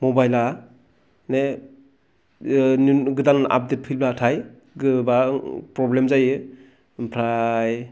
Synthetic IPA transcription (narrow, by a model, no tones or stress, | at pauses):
mɔbajla | ne | nɡɯdana̰p̚det̚pʰilbatʰaj | ɡɯbapɾɔblemzajɯ | pʰɾaj